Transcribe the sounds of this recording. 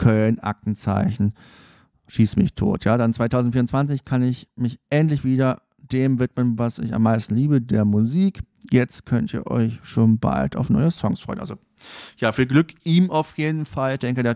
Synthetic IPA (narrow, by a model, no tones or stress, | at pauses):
kʰœlnʔa̰k̚tn̩t͡sa̰ɪçn̩ | ʃiːsmɪ̰çtʰo̰ːtʰjaːdant͡sv̥aɪtʰaʊzn̩tfiːɐʊnt͡sv̥ant͡sɪçkʰanɪçmɪçʔɛntlɪçv̥iːdɐ | d̥eːmvɪtmənvasɪ̰ça̰mːaɪstn̩liːbədeːɐmuziːk | jɛt͡stkʰœntḭːɐʔɔ̰ʏçʃoːnba̰ltʰa̰ʊfnɔ̰ʏəsɔŋsfʁ̥ɔʏnʔa̰lzo | jaːfiːɐɡlʏkʔiːmaʊfjeːdn̩fald̥ɛŋkədeːɐ